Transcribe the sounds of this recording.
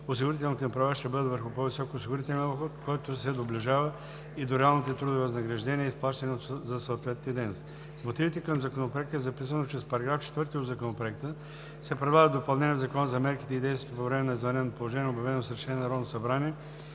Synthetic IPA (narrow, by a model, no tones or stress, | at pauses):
ʊs̬iɡʊɾit̪ɛlˠnit̪onpɾɐvaʃt̪ɛbɤd̪əvəɾxʊpovisɔkoːsiɡʊɾit̪ɛlʲɛnboxot̪kɔjt̪ʊsɛd̪oblʲiʒavə | id̪oɾɛalˠnit̪ɛt̪ɾud̪ʊvivɐznɐɡɾɐʒd̪ɛniəisplˠaʃt̪ɐnʲɛot̪zɐsɐot̪vɛt̪nd̪ɛjnost̪i | mot̪ivit̪ɛkəmzɐkonopɾoɛk̚t̪əɛzɐpisənot͡ʃɾɛspɐɾɐɡɾaft͡ʃɛ̥t̪vɤɾt̪iod̪zɐkonopɾoɛk̚t̪ə | sɛpɾɛd̪lˠaɣət̪d̪opɐlˠnɛnʲiəɛvzɐkɔnəzɐmɛɾki̥t̪ɛid̪ɛjsvʲɛt̪ːpovɾɛmɛnɐizvɐnɛnopolˠoʒɛnʲiɛobjɐvɛnosɾʃɛnʲiɛnɐɾɔd̪nosɐbɾaniɛ